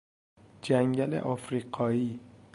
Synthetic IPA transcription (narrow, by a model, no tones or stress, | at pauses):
d͡ʒæŋɟælḛʔɒfɾiːɢʰɒːiː